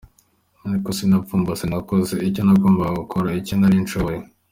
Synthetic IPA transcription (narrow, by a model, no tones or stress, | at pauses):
naikosinafuːmbasinakozeiconavoːmbaɡaɡukʰoɾaicenaɾint͡ʃoβoje